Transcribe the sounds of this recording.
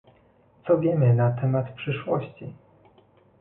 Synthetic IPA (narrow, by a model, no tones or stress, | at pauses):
t̪sɔvʲjɛmɘnat̪ɛmat̪pʂɘʂwɔɕt͡ɕi